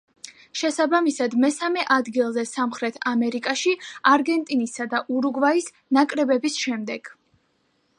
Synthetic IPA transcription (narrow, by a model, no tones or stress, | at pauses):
ʃɛsabamisad̪mɛsamɛʔad̪ɡilˠzɛsamχɾɛt̪ʰamɛɾikʼaʃiaɾɡɛnt̪ʼinisad̪aʔuɾuɡvais | nakʼɾɛbɛbisʃɛmd̪ɛɡ̥